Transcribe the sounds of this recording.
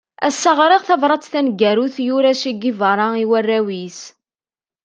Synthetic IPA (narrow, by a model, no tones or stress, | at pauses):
æsːɑʁɾˤɪʁθɑvɾˤɑt͡sθænɡæɾuθjuɾæsiɡivəɾˤɑiwærːæwis